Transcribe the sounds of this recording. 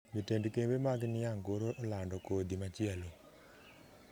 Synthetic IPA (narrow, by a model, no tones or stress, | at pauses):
mitendkembemaɡnɪaŋɡoɾoʔolandɔkod̪imat͡ʃɪɛlo